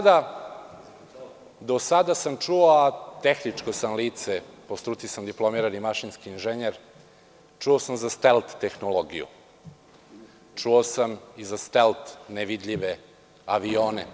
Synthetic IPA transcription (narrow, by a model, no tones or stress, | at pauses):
d̪a | d̪o̞sad̪asamt͡ʂuoat̪exnit͡ʂkosamliːt̪sepost̪ɾut̪sisamd̪iplo̞miɾanimaʃinskiːnʒeɲeɾ | t͡ʃuosamzast̪elt̪ːexnoloɡḭjṵ | t͡ʂuosamizast̪elt̪neʋid̪ʎiʋe | aʋioːnḛ